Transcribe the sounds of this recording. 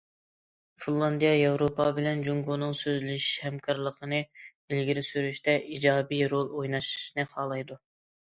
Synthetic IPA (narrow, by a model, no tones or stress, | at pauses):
finlˠɑnd̪ijɑjɑwɾopʰɑbɪlɛnd͡ʒuŋɡonɨŋsøzlyʃhɛmkʰɑɾlˠəqənɨ | ɪlɡʲiɾɪsyɾyʃt̪ʰɛʔid͡ʒɑːbijɾolˠojnɑʃi̥ʃnɨχʰɑːlˠɑjd̪u